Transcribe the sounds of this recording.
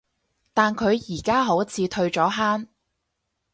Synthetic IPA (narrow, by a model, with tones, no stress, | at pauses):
t̪aː˨nkʰɵ˨˧ɥjiː˨˩kaː˥ɦo˨˥wt͡sʰiː˨˧t̪ʰɵ˧ɥt͡ʃɔː˨˥ɦaː˥n